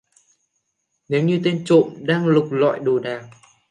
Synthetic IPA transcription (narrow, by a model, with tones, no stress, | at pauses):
ne˨˦wɲɨ˧t̪e˧nt͡ɕo̰˧˨mɗaː˧ŋlʊ˨˩k͡p̚la̰˧˨jɗu˨˩ɗaː˨˩ŋ